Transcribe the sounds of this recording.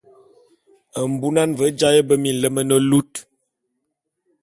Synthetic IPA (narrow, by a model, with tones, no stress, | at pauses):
ə˨m̩˨bu˦na˦nvə˨˦d͡ʒa˦jə˦bə˦mi˨n˨lə˦mə˦nə˦lu˦t